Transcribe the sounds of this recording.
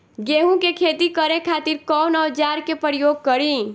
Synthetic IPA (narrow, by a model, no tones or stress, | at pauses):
ɡeɦũkekʰet̪ikəɾekʰat̪iɾkɔwnɔwd͡ʒaɾkepəɾjoɡ̚kəɾi